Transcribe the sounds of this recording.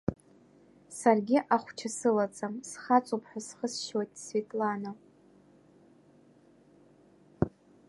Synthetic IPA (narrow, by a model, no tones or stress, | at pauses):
sarɡʲɪʔaχʷt͡ʃʰasɨlat͡sʼamsχat͡sʼupʰħʷᶣasχəsʃwojtʼsvetʼlana